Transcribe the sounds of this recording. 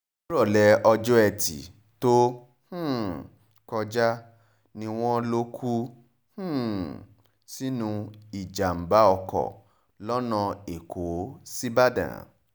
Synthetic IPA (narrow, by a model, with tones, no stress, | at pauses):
ɾɔ˦˨lɛ˨˧ɔ˧d͡ʒɔ˦ɛ˧tḭ˨ | to˦ | h̩˦˨ | kɔ˧d͡ʒa˦ | nĩ˧w̃ɔ̃˦lo˦kʰu˦ | h̩˦˨ | si˦nũ˧i˨d͡ʒa˨m̩˨ba˨˦ɔ˧kɔ̰˦˨ | lɔ˦nã˧e˨kʰo˨˦si˦ba˦dã̰˨